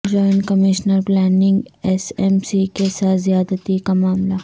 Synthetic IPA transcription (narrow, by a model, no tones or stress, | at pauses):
d͡ʒɔːjnkɐmɪʃnəɾplɛːnɪ̃ŋɡɛsɛmsikesaːt̪zijaːd̪ət̪ikamaːmla